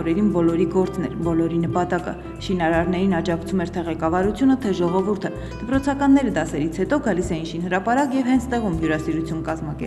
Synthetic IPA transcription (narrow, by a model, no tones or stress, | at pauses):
ɾɛɾinbɔlɔɾiɡɔɾt͡snɛɾbɔlɔɾinəpɑt̪ɑkə̰ | ʃinɑɾɑɾnɛɾinɑd͡ʒɑkt͡sʰumɛɾt̪ʰɛʁɛkɑvɑɾut͡sʰjunət̪ʰɛʒɔʁɔvuɾt̪ʰə | d̪̥əpɾɔt͡sʰɑkɑnːɛɾəd̪ɑsɛɾit͡sʰhɛt̪ɔɡɑlisɛinʃinhəɾɑpɑɾɑkjɛvhɛnt͡sʰt̪ɛʁumɦjuɾɑsiɾut͡sʰjunkɑzmɑkɛ̰